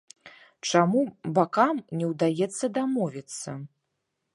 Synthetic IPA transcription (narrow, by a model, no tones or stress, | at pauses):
t͡ʂamubakamnʲɛwd̪ajɛt̪sːɐd̪amɔvʲit̪sːɐ